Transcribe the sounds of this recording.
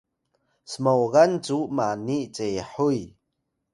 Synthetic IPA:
səmowɣant͡sumaniʔt͡seħuj

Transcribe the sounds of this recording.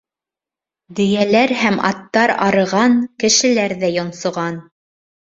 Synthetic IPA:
d̪ĭjælæɾhæmɑ̰t̪ːɑɾɑɾɤ̆ʁɑnkɘ̆ʃɘ̆læɾðæjɒnsŏʁɑn

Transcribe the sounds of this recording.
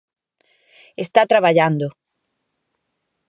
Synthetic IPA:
est̪at̪ɾaβaʎand̪ʊ

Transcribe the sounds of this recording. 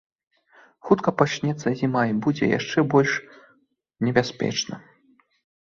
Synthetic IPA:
xut̪kɐpat͡ʂnʲɛt̪sːɐzʲimaibud͡zʲɛ̰ja̰ʂt͡ʂɛbɔlʲʂ | nʲɛbʲasʲpʲɛ̰t͡ʂnɐ̰

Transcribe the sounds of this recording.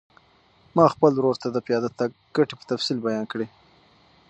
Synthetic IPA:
mɑxpəlwɾoɾt̪ad̪əpijɑd̪at̪aɡ̥aʈepə̥t̪afsilbajɑnkɽe

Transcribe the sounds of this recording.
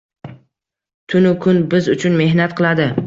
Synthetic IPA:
t̪ʰʊnʊkʰʊnbɪzʊt͡ʃʰʊnme̞hnat̪qʰɨlˠad̪ɪ

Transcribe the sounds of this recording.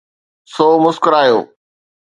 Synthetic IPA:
soːmʊskəɾaːjoː

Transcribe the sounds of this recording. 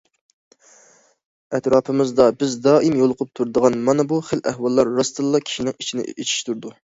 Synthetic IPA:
ɛt̪ɾɑːpʰɨmɨzd̪ɑbɪzd̪ɑːʔimjolˠʊqʰʊp̚t̪ʰuɾd̪əʁɑnmɑnɨbuχelʔæ̰hwɑlˠːɑɾːɑst̪ɨlˠːɑkʲʰi̥ʃinɪŋit͡ʃʰinɪ̰ʔet͡ʃʰi̥ʃt̪uɾd̪u

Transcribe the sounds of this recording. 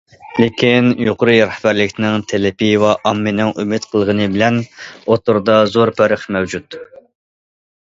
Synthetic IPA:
lɪkʲinjoqʊɾɨjɾɑhbæɾlɪkʲnɪŋt̪ʰelɪpɨwɑʔɑmːɪnɪŋʔymɪt̪qʰəlˠʁənɨbɪlɛnot̪uɾd̪ɑzoɾpʰæɾəχmɛwd͡ʒut̪

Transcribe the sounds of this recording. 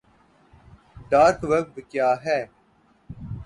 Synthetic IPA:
ɖaːɾkʰʋək̪̚bɪkjaːɦɛː

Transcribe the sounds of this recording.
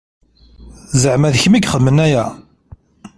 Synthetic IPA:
zəʕmæðçəmiɡχəmːənæjæ

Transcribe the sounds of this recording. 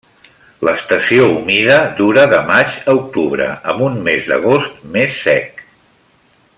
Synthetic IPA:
ləst̪əsioumiðəd̪uɾəðəmad͡ʒəuk̚t̪uβɾə̰əmbunmezd̪ə̰ɣ̞ost̪̚mesːɛk

